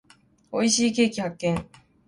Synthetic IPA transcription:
oiɕikekihak͈ːeŋ

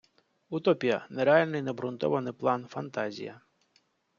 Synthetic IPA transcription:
ut̪ɔpʲijɐ̰neɾealʲnɪjnɛbɾʊnt̪ɔ̰ʋɐnɪjplˠɑnfɐnt̪azʲḭjɐ̰

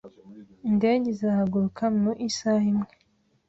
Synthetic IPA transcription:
ndeːɟezahaɡuɾukʰamnuʔisahimŋe

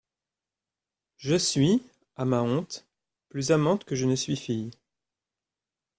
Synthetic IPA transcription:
ʒəsɥi | amaɔ̃t̪ | plyzamɑ̃t̪kəʒənəsɥifij

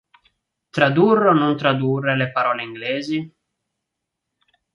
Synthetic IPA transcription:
t̪ɾad̪urːonont̪ɾad̪urːelepaɾɔːleiŋɡlɛːzi

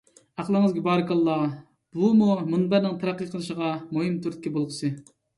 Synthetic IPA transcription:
æqlˠəŋɨzɡʲibɑːɾɨkɑlˠːɑ | b̥umumunbæɾnɪŋt̪ʰɑɾæqːəqʰəlˠɨʃəʁɑmoɦɨmt̪ʰuɾt̪̚kʲɛbolˠʁəsɨ

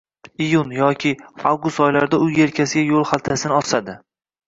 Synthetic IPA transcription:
ijunjɒkʲʰɪawɡʊst̪ɒjlaɾɪd̪aʊje̞ɾkʲʰasɪɡʲajolˠhalˠt̪ʰasɪnɪɒsad̪ɪ

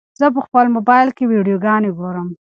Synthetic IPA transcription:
zəp̬əxpəlmobɑjlkewiɖijoɡɑneɡoɾəm

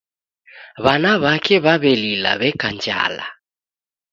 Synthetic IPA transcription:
βanaβakʰʼɛβaβelila̰βɛkʼand͡ʒa̰ːla̰

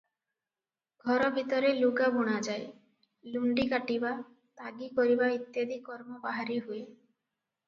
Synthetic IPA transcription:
ɡʱɔɾɔbʱit̪ɔɾeluɡabuɽ̃ad͡ʒaj | luɳɖikaʈiba | t̪aɡikɔɾibait̪jed̪ʱikɔɾmɔbaɦaɾiɦue

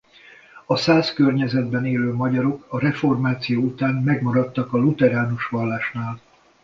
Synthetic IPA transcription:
ɒsaːskørɲɛzɛd̪bɛneːløːmɒɟɒɾo̞kɒɾɛfo̞rmaːt̪sijoːut̪aːnmɛɡmɒɾɒt̪ːɒkɒlut̪ɛɾaːnuʃʋɒlːaːʃnaːl

